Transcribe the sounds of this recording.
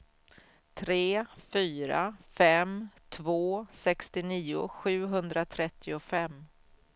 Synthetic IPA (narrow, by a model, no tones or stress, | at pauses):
t̪ʰɾeːfyːɾafɛmt̪ʰvoːsɛkst̪ɪniːʊ̰ɧʉ̟ːɦɵnd̪ɾat̪ʰɾɛt̪ʰːɪʊfɛmː